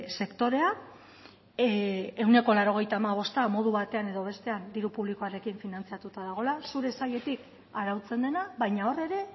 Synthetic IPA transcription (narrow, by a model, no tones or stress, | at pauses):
se̞kt̪o̞ɾe̞a | e̞wne̞ko̞laɾo̞ɣ̞e̞jt̪aːmaβ̞o̞st̪amo̞ð̞uβat̪e̞ane̞ðo̞β̞e̞st̪e̞and̪iɾupuβ̞liko̞aɾe̞kiɱfinant͡siat̪ut̪aðaɣ̞o̞lasuɾe̞saʎe̞t̪ik | aɾawt͡se̞nd̪e̞naβajɲao̞re̞ɾe̞